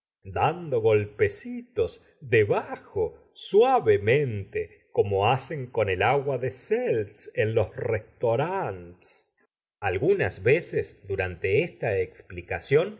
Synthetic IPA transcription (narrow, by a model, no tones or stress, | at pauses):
d̪and̪o̞ɣo̞lpe̞sit̪o̞s | d̪eβaxo | swaβemẽnt̪e | ko̞moase̞ŋko̞ne̞laɣwaðeselt̪senlo̞srest̪oɾant̪e̥s | alɣunazβesesd̪uɾant̪e̞est̪aeksplikasjo̞n